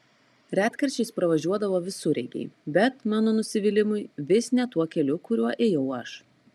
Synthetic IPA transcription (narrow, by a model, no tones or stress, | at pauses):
ɾʲæːt̪kɐɾʲt͡ʃʲɛɪspɾɐʋɐʒʲuɔd̪ɐʋoːʋʲɪsʊɾʲɛɪɡʲɛ̰ɪbʲɛt̪mɑːnonʊsʲɪʋʲɪlʲɪmʊɪʋʲɪsnʲɛt̪uɔkʲɛlʲʊkʊɾʲuɔʔeːjɛʊɐʃ